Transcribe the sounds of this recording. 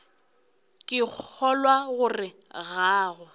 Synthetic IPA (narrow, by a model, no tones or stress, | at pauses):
kʼɪk͡xʰɔlwaɣʊrɪ | ɣaːɣʊ